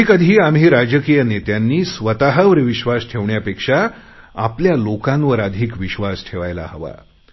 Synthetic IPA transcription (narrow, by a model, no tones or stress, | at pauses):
ikəd̪ʱiːamɦiːɾad͡ʑəkijənet̪janːiːsʋət̪aɦaʋɾəʋiɕʋasʈʰeʋɳjapekʂa | a̰pljalokãnʋəɾad̪ʱiːkʋiɕʋasʈʰeʋajla̰ɦəʋa̰